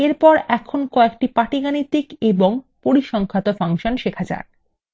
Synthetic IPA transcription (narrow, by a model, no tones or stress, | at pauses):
eɾpɔɾɛkʰonkɔek̚ʈipaʈiɡanit̪ːikeboŋpoɾiʃɔŋkʰat̪ofaŋʃonʃekʰad͡ʑa̰ɾ